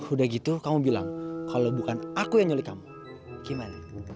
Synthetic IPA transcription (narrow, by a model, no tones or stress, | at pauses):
hudahɡit̪ukamubila̰ŋkʰalawbukanakujaŋɲolikamu | kimani